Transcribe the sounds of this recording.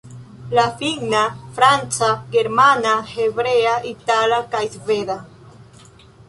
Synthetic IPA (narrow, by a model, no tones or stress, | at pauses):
lafiɡnafɾant͡saɡe̞ɾmanahe̞bɾeaʔitalakajzveda